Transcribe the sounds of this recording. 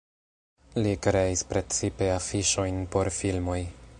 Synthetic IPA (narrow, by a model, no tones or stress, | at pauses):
likɾe̞ispɾe̞t͡sipe̞afiʃo̞jnpo̞ɾfilmo̞j